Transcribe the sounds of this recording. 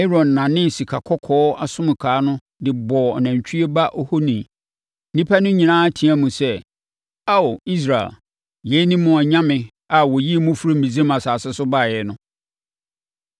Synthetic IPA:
e˦ɾɔ̃˨nː˨ã˨nɪ̃˦n˨si˨kʰa˨kʰɔ˦kʰɔː˦a˨sʊ̃˦m˨kʰaː˨˦nʊ̃˦ | dɪ˨bɔː˨ɔ̰˨nã˨ɲ˨t͡ɕʰᶣi˦e˦ba˦ʔo˦ho˦nĩ˨˦ | nĩ˦pʰa˦nʊ̃˦ɲĩ˨nãː˦tʰĩ˨˦æ˦mũ˨sɛ˦ | a˦o˨i˦s̬ɾa˨ḛ˨ | je˨˦nĩ˦mʊ̃˨ɔ˨ɲã˦mɪ̃˨ | a˨wɔ˨ji˦˨mʊ̃˦fu˦ɾi˦m̩˨ĩ˨d͡zi˦mã˨saː˨sɛ˦sʊ˦ba˦˨jɛ˨nʊ̃˦

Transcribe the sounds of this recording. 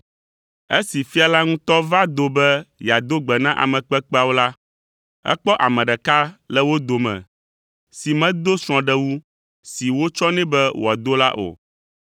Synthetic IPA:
e˦si˨fi˦a˨la˦ŋũ˦t̪ɔ˦va˦d̪o˦bɛ˦ja˨d̪o˦ɡ͡bɛ˨nã˦ʔa̰˨mɛ̃˨k͡pɛ˦k͡pɛ˦a˦wo˦la˦ | ɛ̰˦k͡pɔ˦ʔa˨mɛ̃˨ɖɛ˨ka˦lɛ˦wo˦d̪o˨mɛ̰̃˨ | si˨mɛ̃˦d̪o˦sɾ̃ɔ̃˨ɖɛ˦wu˦ | si˨wo˦t͡ʃɔ˦nɛ̃˦bɛ˦wo˨a˨d̪o˦la̰˦ʔo̰˨

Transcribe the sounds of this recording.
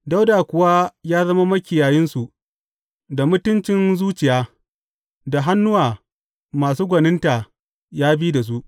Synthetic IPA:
da˦wda˨kʷʊ˨wa˦jaː˦zɐ˦ma˦mɐ˦kʲɪ˨jaː˨jɪ˦nsu˨ʔ | da˨mʊ˦tʊ˦nt͡ʃɪ˦nzuː˦t͡ʃɪ˨jaː˦ | da˨ɦa˦nːʊ˦waː˨ | maː˨suː˦ɡʷɐ˨nɪ˦nta˨ | jaː˦biː˦da˨s̬u˦ʔ

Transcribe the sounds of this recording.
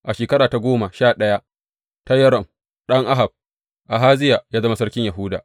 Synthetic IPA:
ʔa˨ʃeː˨kɐ˦ɾaː˨ta˦ɡʷoː˦ma˨ʃaː˦˨ɗɐ˦ja˦ | ta˦jɐ˦ɾɔ˨m | ɗɐ˦ŋʔa˦ɦa˨b̚ | ʔa˨ɦaː˦zɪ˦ja˨jaː˦zɐ˦ma˦sɐ˦rkʲɪ˦ɲja˨ɦʊː˦da̰ː˨

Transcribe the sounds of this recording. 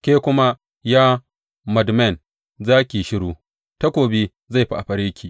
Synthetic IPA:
kʲeː˦kʷʊ˦ma˦ | jaː˦ | mɐ˨dmɛ˦˨n | zaː˦kʲi˨ʃɪ˦ɽuː˦ | ta˦kʷoː˨bi˦ | za˦˨jɸi˦ʔa˨ɸɐ˨ɽeː˦kʲiː˨

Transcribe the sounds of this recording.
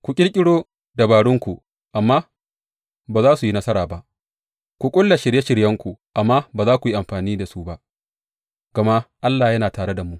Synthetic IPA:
kʷu˨kʲʼɪ˦ɽkʲʼɪ˦ɽoː˦ | da˨baː˨ɽʊ˦ŋkʷu˨ | ʔa˨mːaː˦ | baː˨zaː˦su˨ji˦nɐ˦sɐ˦ɾaː˨ba˦ʔ | kʷu˨kʷʼʊ˦lːa˨ʃɪ˨ɽje˦ʃɪ˨ɽjɐ˦ŋkʷu˨ʔa˨mːaː˦baː˨zaː˦kʷu˨ji˦ʔa˨mɸaː˨niː˦da˨su˦ba˦ | ɡ̥ɐ˨ma˦ʔa˦lːaː˨jɐ˦naː˨taː˨ɽe˦da˨mu˦ʔ

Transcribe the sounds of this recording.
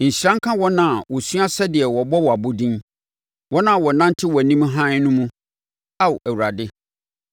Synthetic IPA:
ɲ̩˨ɕɾã˦ŋ̩˦kʰã˦wɔ˦nã˦˨wɔ˨sɥa˦sɛ˦dɪ˨ɛ˨wɔ˨bɔ˦wɔ˨a˨bʊ˦dĩ˦n | wɔ˦nã˦˨wɔ˨nã˦ntʰɪ˦wɔ˨nĩ˦m˦ɦã˦nʊ̃˦mũ˦ | a˦wæ˨wu˨ɾa˨dɪ˦

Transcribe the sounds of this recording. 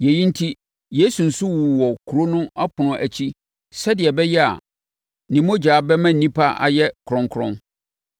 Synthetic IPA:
jɛ˨ji˦n̩˦tʰi˦ | jeː˦su˨n̩˨sʊ˦wu˨wɔ˨kʰu˨ɾo˦nʊ̃˦a˦pʰʊ˨nʊ̃˨ʔæ˨t͡ɕʰi˦ | sɛ˦dɪ˨ɛ˨bɛ˦jɛ˦a̰˨ | nĩ˨mõ˦d͡ʑaː˨bɛ˦mã˦n̩˨nĩ˦pʰa˦ʔa̰˨jɛ˦kʰʊ˨ɾɔ̃˨ŋkʰʊ˦ɾɔ̰̃˦n

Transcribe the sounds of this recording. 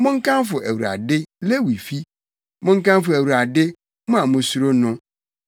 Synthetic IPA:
mʊ̃˦ŋ̩˦kʰã˦nfʊ˨ʔæ˨wu˨ɾa̰˨dɪ˦le˦wi˨fi˦ | mʊ̃˦ŋ̩˦kã˦nfʊ˨æ˨wu˨ɾa˨dɪ˦ | mʊ̃˦ã˨mʊ̃˦su˦ɾo˦nʊ̃˦

